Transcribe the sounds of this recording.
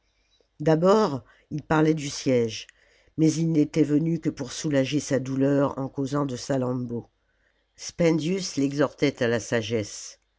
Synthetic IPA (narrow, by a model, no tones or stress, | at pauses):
d̪abɔʁ | ilpaʁlɛd̪ysjɛʒ | mɛzilnet̪ɛvənykəpuʁsulaʒesad̪ulœʁɑ̰̃kozɑ̃d̪əsalɑ̃bo | spɛ̃nd̪jyslɛɡzɔʁt̪ɛt̪alasaʒɛs